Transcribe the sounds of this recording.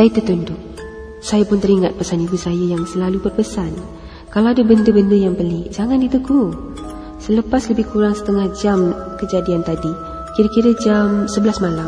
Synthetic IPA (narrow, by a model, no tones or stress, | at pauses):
sajət̪ət̪undʊʔ̚ | sajapʊnt̪əɾiŋat̪̚pasanibusajajaŋsəlalubərpəsan | kalaadəbəndəbəndəjaŋbəlid͡ʒaŋandit̪əɡu | sələpasləbɪhkuɾaŋsə̥t̪əŋahd͡ʒamkəd͡ʒadiant̪adi | kiɾakiɾəd͡ʒamsəbəlasmala